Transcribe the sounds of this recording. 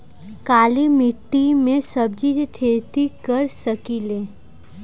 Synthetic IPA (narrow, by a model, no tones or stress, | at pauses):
kaːlimɪʈːimẽsəb̚d͡ʒid͡ʒʈʰeːt̪ikəɾsəkileː